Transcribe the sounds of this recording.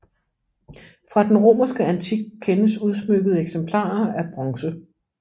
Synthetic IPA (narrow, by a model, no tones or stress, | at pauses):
fʁɑ̈d̥enʁo̝̰ːmɐsɡ̥əænt͡sʰiɡ̥̚kʰːenəsuð̞ˠsmøɡ̥əð̞̩ˠeɡ̥sempʰlɑ̰̈ːɐæɐb̥ʁɒ̽ŋsə